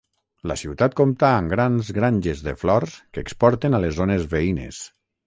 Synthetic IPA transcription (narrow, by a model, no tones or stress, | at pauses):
lə̰siwt̪at̪̚komt̪aːŋɡɾanzɣɾanʲʒezðḛflɔɾskəːkspɔɾt̪enalezonezβeinḛs